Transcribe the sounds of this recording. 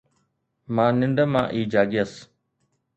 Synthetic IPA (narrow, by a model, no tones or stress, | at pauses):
mãːnɪɳɖəmã̰ːʔiːd͡ʒaːɡɪjəs